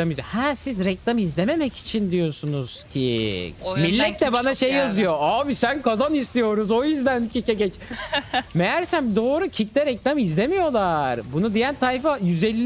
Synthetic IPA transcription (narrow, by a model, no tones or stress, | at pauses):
amid͡ʒahɛsizɾɛclʲˠamizlʲeme̞mɛci̥t͡ʃʰind̪ijo̞sunuz̥cʰi | milʲːɛt̪̚lɛbanaʃejjazɯjo̞aːbisænkazanist̪ijo̞ɾuzo̞jyzd̪æncʰicɛɟɛt͡ʃ | mejæɾsænd̪o̞ːɾucʰiclɛɾɛclʲˠamizlʲe̞mijo̞lˠaɾbunud̪ijænt̪ʰajfajyzɛlʲː